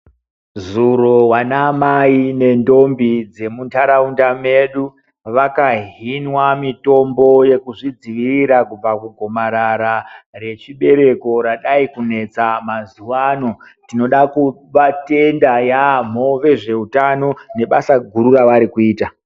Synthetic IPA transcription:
zuɾowanamaine̞ndo̞mbid͡ze̞muntʰaɾaundame̞ɗu | ʋakaɦinwamito̞mbo̞je̞kuʐid͡ziʋiriɾakub͡vakuɡʱo̞maɾaɾare̞t͡ʃiɓe̞ɾe̞ko̞ɾaɗaikune̞t͡samazuwano̞ | tino̞ɗaku | ʋate̞ndajam̤oʋe̞ʐe̞utano̞ne̞ɓasaɡʱuɾuraʋaɾikuiːta

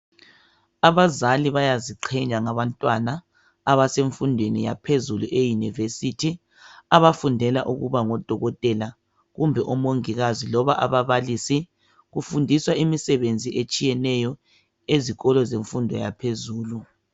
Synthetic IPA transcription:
aβazaliβajaziǃʰɛɲaŋaβantʼwanaː | βaseɱfundʱwenḭja̰pʰezuluʔejunivesitʰi | aβafundʱɛlaʔuɣuβaŋɔd̥ʱɔɣɔtʼɛla | ɣumbʱɛʔɔmoŋiɣazilɔβaʔaβaβalisi | ɣufundʱiswaimisɛβend͡zʱiʔet͡ʃʼijɛnɛjɔ | eziɣɔlɔzeɱfundʱɔ̰ja̰pʰezuːlu

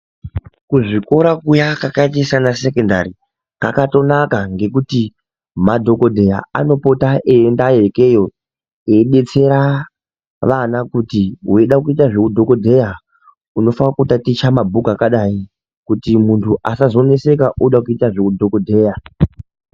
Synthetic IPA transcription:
kuʐiko̞ɾakujakakatisanasekonda̰ri | ka̰kato̞nakaŋɡe̞kuti | madʱo̞ko̞dʱe̞ja̰a̰no̞po̞taʔeːndajeke̞jo̞ | eiɗe̞t͡se̞ɾa | ʋanakutiɦueɗakuitaʐe̞kudʱo̞ko̞dʱe̞ja | uno̞fanakutatit͡ʃamabʱukakaɗai | kutimuntʰuʔasazo̞ne̞se̞kaʔuɗakuitaʐekudʱo̞kodʱe̞ːja

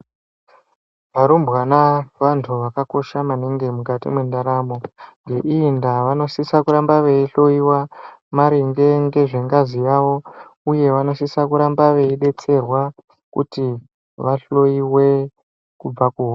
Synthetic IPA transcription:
ʋaɾumbwanaʋantʰuʋakako̞ʃamaneŋɡe̞mukatḭmwendaɾamo̞ŋɡe̞ʔiːndaʋano̞sisakuɾambaʋe̞iɬo̞iwamaɾiŋɡe̞ŋɡe̞ʐeŋɡazijaʋo̞uje̞ʋano̞sisakuɾambaʋe̞iɗe̞t͡se̞rwa | kṵti | ʋaɬo̞iwe̞ | kub͡vakuɦo

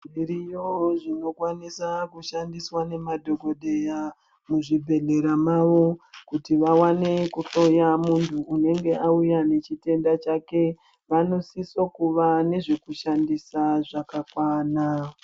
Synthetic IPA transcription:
iɾijoʐino̞kwanisakuʃandiswane̞madʱo̞ɡʱo̞ɗe̞ja | muʐibʱe̞ɮe̞ɾamaʋo̞kutiʋawane̞kuɬo̞jamuntʰuʔːne̞ŋɡe̞aujane̞t͡ʃite̞ndat͡ʃake̞ | ʋano̞sisokuʋane̞ʐe̞kuʃandisaʐakakwaːna

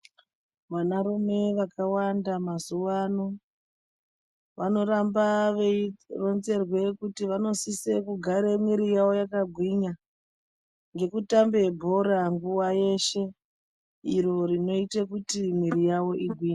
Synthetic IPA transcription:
ʋanarume̞ʋakawandamazuʋano | ʋano̞ɾamba | ronze̞rwe̞kutiʋano̞sisekuɡʱaɾemwiɾijawo̞jakaɡʱwiɲa | ŋɡe̞kutambe̞bʱo̞ɾaŋɡuwaje̞ʃe̞ | iɾo̞ɾino̞itekutimwiɾijawo̞ʔiɡʱwiːɲa

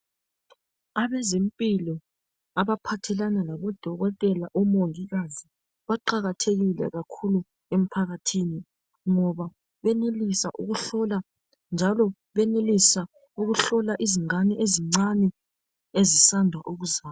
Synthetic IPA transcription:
aβɛzempʼilɔ | aβapʰatʰɛlanalaβɔd̥ʱɔɣɔtʼɛlaʔɔmoŋiɣazi | βaǃaɣatʰeɣilɛ̰ɣakʰulu | em̩pʰaɣatʰini | ŋɔβa | βɛnelisa̰ʔuɣuɬɔla | nd͡ʒʱalɔ | βɛnelisa | uɣuɬɔlaʔiziŋ͡ǀanɛʔeziŋ͡ǀanɛ | ezisandʱwaʔuɣuzaːj

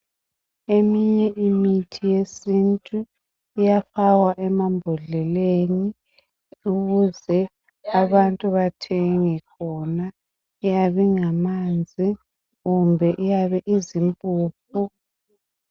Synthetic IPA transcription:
emiɲɛʔimitʰijesintʼu | ijafawaʔɛmambʱɔɮɛleni | uɣuzɛ | aβantʼuβatʰeŋikʰɔna | ijaβiŋamand͡zʱi | ɣumbʱɛʔijaβɛʔizimpʼuːp̚ʰu

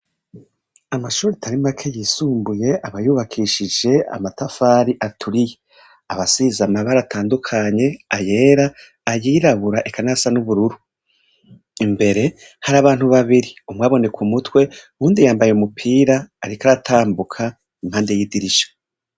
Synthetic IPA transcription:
amaʃuːɾitʰaɾimakʰejiːsuːmbuje̞aβajuːβakʰiʃid͡ʒe̞a̰matafaɾiʔatʰuɾije̞ | aβasizamaβaɾatʰaːndukʰaɲe̞aje̞ːɾaː | jiːɾaβuɾaʔekʰanasanuβuɾuɾu | imbe̞ɾe̞ | haɾaːβaːn̥huβaβiɾiumŋaːβo̞ne̞kʰumutwe̞ | uːndijaːmbajeumupʰiːɾaːɾikaɾatʰaːmbukʰa | im̥haːnde̞jiːdiɾiʃḁ

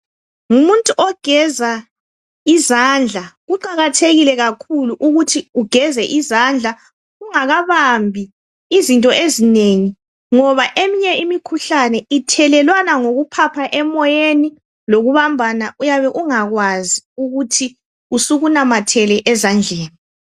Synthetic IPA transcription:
ŋumuntʼuʔɔɡ̥ʱɛza | izand͡ɮʱaɣuǃaɣatʰeɣilɛɣakʰuluʔuɣutʰiuɡ̥ʱɛzɛʔizand͡ɮʱa | uŋaɣaβambʱi | izintʼɔʔezineŋi | ŋɔβaʔemiɲɛimikʰuɬanɛitʰɛlɛlwanaŋoɣupʰapʰaʔɛmɔjeni | loɣuβambʱanaujaβɛʔuŋaɣwaziuɣutʰi | usuɣunamatʰɛlɛʔɛzand͡ɮʱɛːni

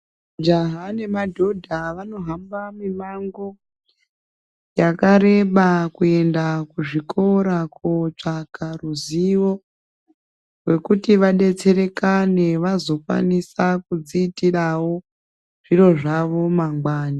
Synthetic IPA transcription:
d͡ʒaɦane̞madʱo̞dʱaʋano̞ɦambamimaŋɡo̞ | jakaɾe̞ɓakue̞ndakuʐikʰo̞ɾakot͡ʂakaruziwo̞ | rwe̞kutiʋaɗe̞t͡se̞ɾe̞kaneʋazo̞fa̰nisakud͡ziːtirawo̞ | ʐ̥iro̞ʐaʋo̞maŋɡwaːna

